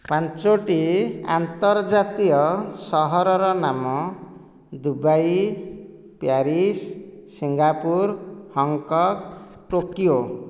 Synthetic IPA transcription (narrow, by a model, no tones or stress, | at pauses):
pant͡ʃoʈia̰nt̪ʌrd͡zat̪ijʌsʌɦʌɾʌɾɔnamɔ | d̪ubaj | pjaɾissiŋɡapuɾhʌŋkɔkʈokijo